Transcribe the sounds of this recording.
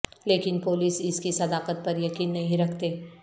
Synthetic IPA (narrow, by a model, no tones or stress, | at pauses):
leːkɪnpoːliːsɪskisɐd̪aːqət̪̚pɐɾjɐkiːnːɐɦĩɾɐkʰt̪eː